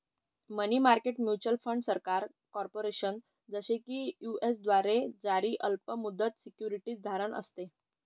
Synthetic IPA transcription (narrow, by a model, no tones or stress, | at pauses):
məniːmaɾkeʈmjut͡ɕəlfəɳɖsəɾkaɾ | kɔɾpoɾeɕən | d͡zəɕekiːjuesd̪ʋaɾed͡zaɾiːʔəlpəmud̪ːət̪sikjuɾiʈiːt͡sd̪ʱaɾəɳʔə̰st̪e